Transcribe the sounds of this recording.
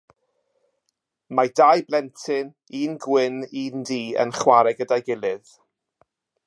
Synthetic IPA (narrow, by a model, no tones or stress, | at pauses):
madajblɛntʰɨn | iːnɡwɪniːndiːə̰nχwaɾɛɡədajɡɪlˠɪð